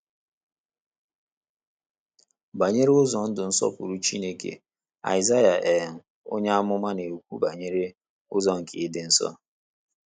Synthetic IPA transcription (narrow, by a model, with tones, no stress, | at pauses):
ba˨ɲe˦ɾe˦ʊ˦zɔ˨n̩˦dʊ˨n̩˦sɔ̰˦pʊ̰˨ɾu˦t͡ʃi˦ne˦kḛ˨ | a̰˨ɪ˨za˦ja˨ʔe˨n̩˨ | o̰˦ɲa˦a˦mʊ˦ma˦ne˨u˨kʷṵ˦ba˨ɲe˦ɾe˦ | ʊ˦zɔ˦ŋ̩˨ki˨ɪ˦dɪ˦n̩˦sɔ̰˦